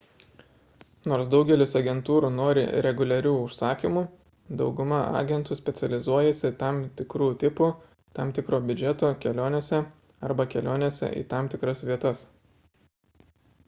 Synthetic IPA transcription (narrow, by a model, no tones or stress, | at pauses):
noːɾsd̪ɒʊɡʲɛlʲɪsɐɡʲɛnt̪uːɾuːnoːɾʲɪ̰ɾʲɛɡʊlʲɛɾʲuːʊʃsɑːkʲimuː | d̪ɒʊɡʊmɐɑ̰ːɡʲɛnt̪uːsʲpʲɛt̪sʲɛlʲɪzuɔjɛsʲɪt̪ɑmt̪ʲɪkɾuːt̪ʲɪpu | t̪ɑmt̪ʲɪkɾoːbʲʊd͡ʒʲɛt̪oːkʲɛlʲoːnʲeːsʲɛ | ɐɾbɐkʲɛlʲoːnʲeːsʲɛ̰ʔḭːt̪ɑˑmt̪ʲɪkɾɐsʋʲiɛt̪ɐs